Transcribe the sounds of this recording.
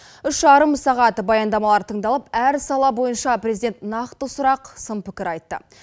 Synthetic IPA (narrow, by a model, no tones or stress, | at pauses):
ʏʃʒɑɾəmsɑʁɑt̪bɑjɑnd̪ɑmɑlˠɑɾt̪ʰəɴd̪ɑlˠəpæɾsɑlˠɑbo̞jənʃɑprʲe̞zid̪e̞nt̪nɑqt̪əsʊɾɑqsəmpʰɪkʲɪɾɑjt̪ːə̰